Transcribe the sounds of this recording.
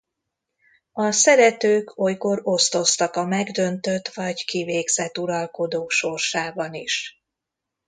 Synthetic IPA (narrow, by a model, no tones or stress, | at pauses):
ɒsɛɾɛt̪øːkʰo̞jko̞ɾo̞st̪o̞st̪ɒkɒmɛɡd̪ønt̪øt̪ʋɒɟkiveːɡz̥ɛt̪ːuɾɒlko̞d̪oːʃo̞rʃaːbɒniʃ